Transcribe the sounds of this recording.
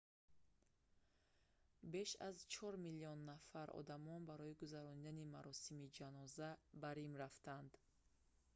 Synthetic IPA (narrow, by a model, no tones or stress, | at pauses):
be̞ʃa̰zt͡ʃʰɔɾmiliɔnːafaɾɔ̰d̪amɔnbaɾɔiɡuzaɾɔnid̪animaɾɔsimid͡ʒanɔzabaɾimɾaft̪and̪